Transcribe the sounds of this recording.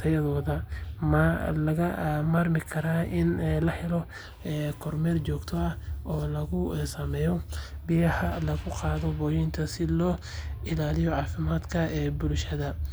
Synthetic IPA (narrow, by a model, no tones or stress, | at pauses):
t̪ʰɐjɐðɔːðɐmalɐɣɐmaːrmɪkʰɐɾaːʔɪnlɐħɪlɔ | ɛːkʰɔrmɛːrt͡ʃɔːɡt̪ʰɔɐɔːlɐɣʊɛsɐmɛːjɔbɪjɐhɐlɐɣʊqɑːðɔbɔːjɪnt̪ʰɐsɪlɔː | ɪlaːlɪjɔʕɑːfɪmaːd̪kʰɐɛːbʊlʃɐðɐ